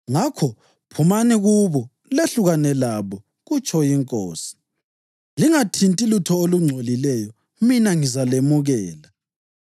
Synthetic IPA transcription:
ŋakʰɔ | pʰumaniɣuβɔ | leɬuɣanɛlaβɔ | ɣut͡ʃʰʼɔjiŋkʼo̰ːsi̥ | liŋatʰintʼilutʰɔoluŋ͡ǀʱolilɛjɔ | minaŋizalemuɣɛːla

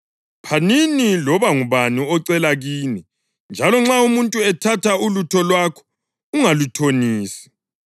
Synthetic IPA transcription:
pʰaninilɔβaŋuβaniɔǀɛlaɣiːni | nd͡ʒʱalɔŋ͡ǁaumuntʼuɛtʰatʰaulutʰɔlwakʰɔ̥ | uŋalutʰoniːsi̥

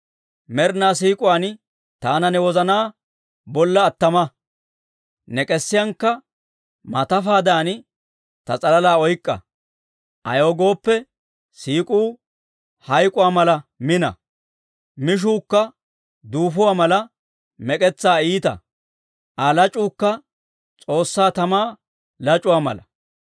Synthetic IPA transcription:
mɛɾnaːs̬iːkʼʊwaːn | t̪aːnɐnɛwɔzɐnaː | bɔlːɐːt̪ːɐmɐ | nɛkʼɛsːɪjɐŋkːɐ | mɐt̪ɐfaːd̪aːn | t̪ɐt͡sʼɐlɐlaːɔjkʼːɐ̰ | ʔɐ̰joːɡo̞ːpːɛ | siːkʼuː | hɐjkʼʊwaːmɐlɐmɪnɐ̰ | mɪʃ̬uːkːɐ | d̪uːfʊwaːmɐlɐ | mɛkʼɛt͡sːaːiːt̪ɐ̰ | ʔɐlɐt͡ʃʼuːkːɐ | t͡sʼo̞ːsːaːt̪ɐmaː | lɐt͡ʃʼʊwaːmɐ̰lɐ

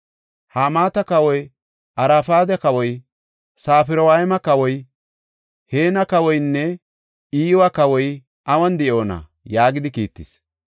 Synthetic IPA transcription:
haːmaːt̪ɐkɐwɔj | ʔɐɾafaːd̪ɛkɐwɔj | saːfɪɾɔwaɪmɐkɐwɔj | heːnɐkɐwɔjnːɛ | iːwɐkɐwɔj | ʔɐwɐnd̪ɛjo̞ːnɐ̰ | jaːɡɪd̪ɪkiːt̪ːɪs

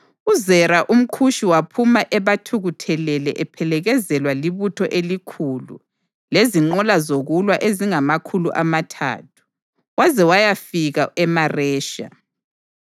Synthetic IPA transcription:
uzɛɾaʔum̩kʰuʃiwapʰumaʔɛβatʰuɣutʰɛlɛlɛʔɛpʰɛlɛɣɛzɛlwaliβutʰɔʔelikʰuːlṵ | leziŋ͡ǃɔlazoɣulwaʔeziŋamakʰuluʔamatʰa̰ːtʰu̥ | wazɛwajafiɣaɛmarɛːʃa̰

